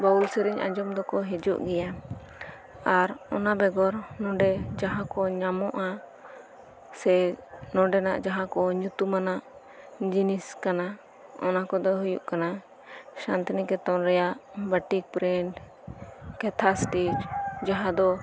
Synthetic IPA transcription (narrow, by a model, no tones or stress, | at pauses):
baulsɛɾiɲã̰d͡ʒɔmd̪ɔkɔɦɛd͡ʒṵʔɡɛja | aɾɔnabɛɡɔɾnɔ̃ɖɛd͡ʒaɦãkɔɲamɔʔa | sɛnɔ̃ɖɛna̰ʔd͡ʒaɦãkɔɲut̪umanaʔ | d͡ʒiniskana | ɔnakɔd̪ɔɦujṵʔkana | ʃant̪inikɛt̪ɔnɾɛjaʔbəʈik̚pɾɛɳʈ | kɛt̪ʰasʈid͡ʒd͡ʒaɦãd̪ɔ